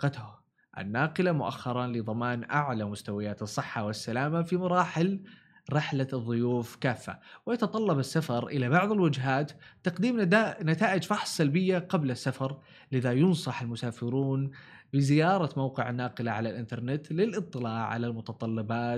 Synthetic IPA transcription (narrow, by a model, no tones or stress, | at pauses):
qɑt̪ʊ | ʔa̰nːaːqɨlamʊʔa̰xːɑɾˤɑlɪðˤɑmaːnʔaʕlamʊst̪awajaːt̪ɨsˤːɨħːawɪsːalaːmafimɑɾˤɑːħɪl | ɾɪħlaðˤːʊjuːfkaːfːa̰wɪjɑt̪ɑt̪ˤɑlːɑbɪsːafɑɾˤʔɪlabɑʕðˤɪlwɪd͡ʒɦaːt̪ːɑqd̪iːmnat̪aːʔɪd͡ʒfɑħsˤːalbɪjːaqablasːafɑɾˤ | lɪðajʊnsˤɑħalmʊsaːfɪɾuːn | bɪzɪjɑːɾˤɑmawqɪʕɪnːaːqɪlaʕa̰lalʔɪnt̪ɑɾˤnɪt̪lɪlʔɨt̪ˤːɨlaːʕa̰lalmʊt̪ɑt̪ˤɑlːɪbɑːt̪